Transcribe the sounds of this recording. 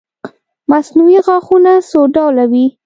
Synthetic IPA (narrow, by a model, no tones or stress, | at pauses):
masnuwiɣɑxunasoɖɑwlawi